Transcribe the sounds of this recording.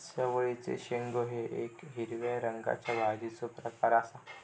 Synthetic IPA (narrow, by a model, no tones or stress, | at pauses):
sjəʋəit͡sḛɕeŋɡoɦeʔekɦiɾʋaɾəŋɡa̰t͡ɕjabʱad̪it͡sopɾəkaɾasa